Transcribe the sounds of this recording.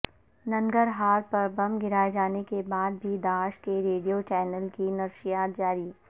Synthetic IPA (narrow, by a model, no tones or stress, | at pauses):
nɐ̃ŋɡəɾɦaːɾpɐɾbɐ̃mɡɪɾaːed͡ʒaːnekebaːd̪̚bʱid̪aːʃkeɾeːɖijot͡ʃɛːnəlkinɐɾʃɪjaːt̪̚d͡ʒaːɾi